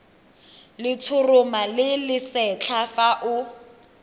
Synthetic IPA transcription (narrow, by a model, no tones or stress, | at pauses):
lɪt͡sʰʊrʊmalɪlɪsɛt͡ɬʰafaʔʊ